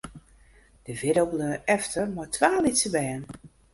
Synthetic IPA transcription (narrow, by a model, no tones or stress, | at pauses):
d̥əvɪɾowbløʔɛftʰərmɔtʋaːlitsəbɛjən